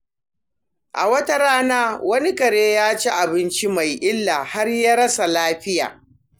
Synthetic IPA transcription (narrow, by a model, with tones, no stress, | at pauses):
ʔa̰˨wɐ˦ta˦ɾaː˦naː˦wɐ˦ni˦kɐ˨ɽeː˦jaː˦t͡ʃe˦ʔa˨bɪ˦nt͡ʃi˦ma˨jʔɪ˦lːaː˨ha˦rjaː˦ɾɐ˦sa˨laː˦ɸɪ˦ja̰ː˨